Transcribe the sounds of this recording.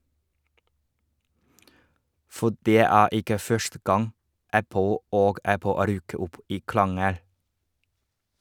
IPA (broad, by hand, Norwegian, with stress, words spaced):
ˈfɔ ˈɖeː ˈæː ˈɪkə ˈfœʃtə ˈɡɑŋ ˈæpl̩ ˈoːɡ ˈæpl̩ ˈɾyːkə ˈʔʊp ˈiː ˈkɭɑŋəɽ